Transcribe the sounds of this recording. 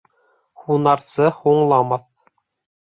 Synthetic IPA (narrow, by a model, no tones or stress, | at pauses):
hunɑɾsɤhuɴlˠɑmɑθ